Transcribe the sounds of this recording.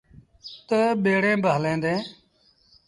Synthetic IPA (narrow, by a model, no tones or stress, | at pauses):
t̪əɓeːɽẽːbəɦəlẽːnd̪ẽː